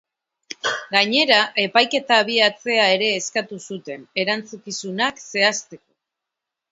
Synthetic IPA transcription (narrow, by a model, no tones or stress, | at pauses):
ɡaɲe̞ɾaʔe̞pajke̞t̪aːβ̞iat͡se̞ae̞ɾe̞ːskat̪usut̪e̞ne̞ɾant͡sukisunakse̞ast̪e̞ko̞̥